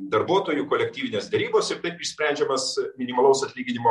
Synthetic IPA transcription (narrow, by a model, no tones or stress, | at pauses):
d̪ɐɾbuɔt̪oːjukoːlʲɛkt̪ʲiːʋʲɪnʲeːsd̪ʲɛɾʲiːboːsɪɾt̪ɐɪpɪʃsʲpʲɾʲɛˑnʲd͡ʒʲɛmɐsmʲɪnʲɪmɐlˠɐʊsɐt̪ʲlʲiːɡʲɪnʲɪmoː